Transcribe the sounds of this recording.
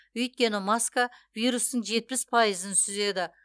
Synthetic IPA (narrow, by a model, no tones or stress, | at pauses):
ɵjt̪̚kʲe̞nɪmɑskavijɾust̪əɴʒe̞t̪̚pɪspʰɑjəzənsʏze̞d̪ɪ